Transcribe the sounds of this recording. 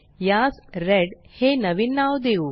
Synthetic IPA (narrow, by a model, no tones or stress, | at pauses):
jaːsɾeɖheːnɐʋinːaːwd̪eu